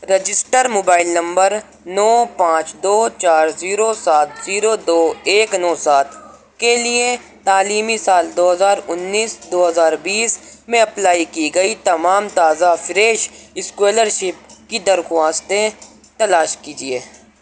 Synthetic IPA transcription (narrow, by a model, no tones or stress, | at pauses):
ɾɐd͡ʒɪsʈəɾmoːbaːɪlnɐ̃mbəɾ | nɔːpãːt͡ʃd̪oːt͡ʃaːɾziːɾosaːt̪ʰziːɾod̪oːeːknɔːsaːt̪ | kelie | t̪aːliːmisaːld̪oːɦɐzaːɾʊnːiːsd̪oːɦɐzaːɾbiːsmẽɐplaːikiɡɐit̪ɐmaːmt̪aːzafɪɾeːʃɪskweːləɾʃɪp̚kid̪ɐɾxʊwaːst̪e | t̪ɐlaːʃkiːd͡ʒieː